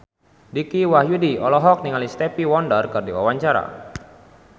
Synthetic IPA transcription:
dikiwahjudiɔlɔɦɔk̚niŋalist̪ɛpiwɔndərkɨrdiwa̰waɲt͡ʃaɾa̰

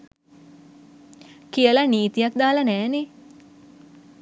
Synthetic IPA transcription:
kijələniːt̪ijak̚d̪aːlənæːne

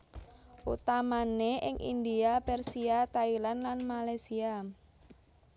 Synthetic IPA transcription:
ʔut̪amaneʔɪ̰ŋʔḭnd̪iapɛrsiat̪ailanlanmalajsia

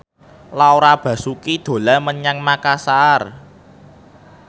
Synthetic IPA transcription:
laoɾab̥ä̤sukid̪̥o̤laməɲaŋmakasar

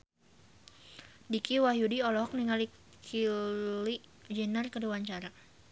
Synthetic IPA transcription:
dikiwahjudiɔlɔɦɔk̚niŋali | kʰiliʔd͡ʒɛnərkəduwaɲt͡ʃaɾa

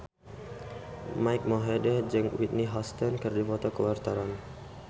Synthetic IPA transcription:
majk̚mɔɦedad͡ʒɨŋwit̪̚niɦɔst̪ɔnkɨrdifɔt̪ɔkəwart̪ɔɾan

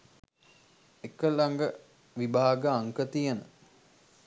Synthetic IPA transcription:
ekəlaŋɡə | ʋibaːɡəaŋkət̪ijənə

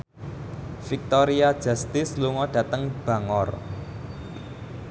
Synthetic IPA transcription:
fik̚t̪ɔɾiad̥ʒ̥a̤st̪ɪsluŋɔɖ̥ä̤t̪əŋb̥ä̤ŋɔr

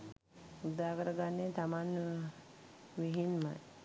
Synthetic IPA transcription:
ud̪aːkəɾəɡanːet̪amanː | ʋiɦinma̰j

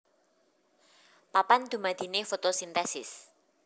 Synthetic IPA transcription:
papand̪̥ṳmad̪̥i̤nefot̪osint̪ɛsɪ̰s

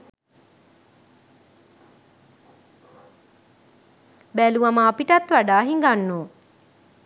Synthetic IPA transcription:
bæluaməːpiʈat̪ʋaɖaːɦiŋɡanːoː

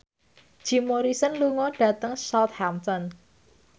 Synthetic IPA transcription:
ʒ̥i̤moɾisənluŋɔɖ̥ä̤t̪əŋsɔt̪̚hamt̪ɔn

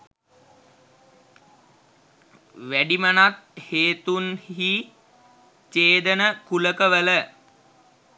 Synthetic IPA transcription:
ʋæɖimənat̪̚heːt̪unhhi | t͡ʃeːd̪ənəkuləkəʋələ

